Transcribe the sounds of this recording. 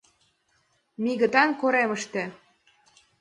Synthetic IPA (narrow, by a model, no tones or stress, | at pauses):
miɣə̆t̪ɑnkoɾeməʃt̪ĕ